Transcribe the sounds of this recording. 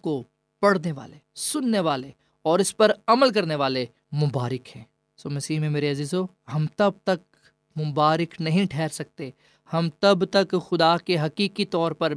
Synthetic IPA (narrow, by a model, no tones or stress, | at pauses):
ko | pɐɽneʋa̰ːlesʊnːeʋaːle | ɔːɾɪspɐɾɐməlk̬ɐɾneʋaːle | mʊbaːɾɪkɦɛ̃ː | soːmɐsiːɦmẽmeːɾeɐziːzɦoː | ɦɐmt̪ɐb̚t̪ɐk̚ | mʊbaːɾɪknɐɦĩʈʰɛːɾsɐk̚t̪e | hɐmt̪ɐbt̪ɐkxʊd̪akeɦɐkiːkit̪ɔːɾpɐɾ